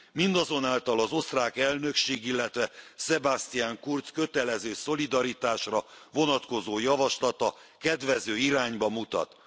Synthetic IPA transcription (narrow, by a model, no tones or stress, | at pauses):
mind̪ɒzo̞naːlt̪ɒlɒzo̞st̪raːkɛlnø̞kʃeːɡilːɛt̪ʋɛsɛbast̪ijaːŋkurt̪skøt̪ɛlɛzøːso̞lid̪ɒɾit̪aːʃrɒvo̞nɒt̪ko̞zoːjɒvɒʃlɒt̪ɒ | kɛd̪ʋɛzøːiɾaːɲbɒmut̪ɒ̰t̪